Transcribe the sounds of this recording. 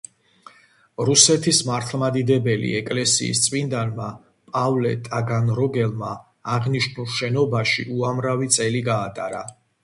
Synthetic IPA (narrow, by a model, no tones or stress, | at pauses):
ɾusɛt̪ʰismaɾt̪ʰlˠmad̪id̪ɛbɛlḭɛkʼlɛsḭːst̪sʼmind̪anma | pʼavlɛ̰t̪ʼaɡanɾɔɡɛlˠma̰ː | ʁniʃnulˠʃɛnɔbaʃḭuamɾavit̪sʼɛliɡaːt̪ʼa̰ɾa̰